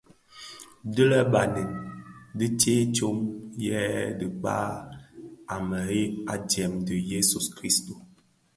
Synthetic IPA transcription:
də˦lə˦ba˨nə˨ndi˦te˦to˦mjɛ˦də˨k͡pa̰˦ | a˨mə˨e˦a˨djɛ˨mdə˨je˦su˨skɾi˦sto˨

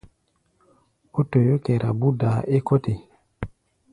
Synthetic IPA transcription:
o˦to˨jo˦ke˨ɾʔa˨bu˦da˨ʔe˦ko˦te˨

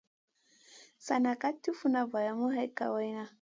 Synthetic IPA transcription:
sa˨na˨ka˦tːu˦fu˦na˨ba˨ja˨mu˦ɦa˦jka̰˨wa˦jna˦

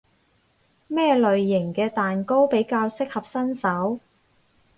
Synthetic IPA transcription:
mɛː˥lɵ˨ɥjɪ˨˩ŋkɛː˧t̪aː˨nko˥wpe˨˥jkaː˧wsɪ˥k̚hɐ˨p̚sɐ˥nsɐ˨˥w

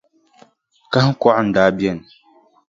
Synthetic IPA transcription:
ka˦h̩˦kɔ˦ʔʊ˦n̩˦daː˦bjɛ˦˨n˨

